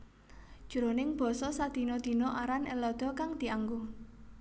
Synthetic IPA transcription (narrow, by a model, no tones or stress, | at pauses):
d̥ʒ̥ṳɾonɪŋb̥ɔ̤sɔsad̪̥i̤nod̪̥i̤nɔʔaɾanɛlɔd̪̥ɔ̤kaŋd̪̥i̤aŋɡu